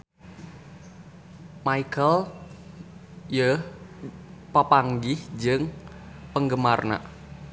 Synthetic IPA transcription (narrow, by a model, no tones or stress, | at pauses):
maikəl | jə | pəpaŋɡɪhd͡ʒɨŋ | pəŋɡəmarna̰ʔ